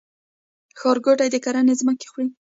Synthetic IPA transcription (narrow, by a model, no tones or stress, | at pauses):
xɑɾɡoʈajd̪əkaɾanezməke̥xɽi